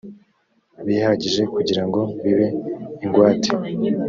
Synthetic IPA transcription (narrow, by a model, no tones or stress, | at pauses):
βihaɟiʒe̞kuɟiɾaŋɡo̞βiβe̞iŋɡwaːti̥